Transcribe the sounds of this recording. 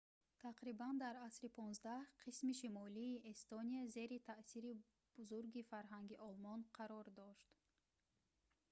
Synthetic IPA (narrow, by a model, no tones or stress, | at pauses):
t̪ʰaqɾiband̪aɾasɾipʰɔnzd̪ahqʰismiʃimɔliːest̪oniaze̞ɾit̪ʰaʔsiɾi | b̥uzuɾɡifaɾɦaŋɡiʔɔlmɔnqʰaɾɔɾd̪ɔʃt̪